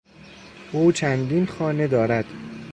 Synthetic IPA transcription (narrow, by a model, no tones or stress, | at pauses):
ʔuːt͡ʃʰænd̪iːnxɒːne̞d̪ɒːɾæd̪̥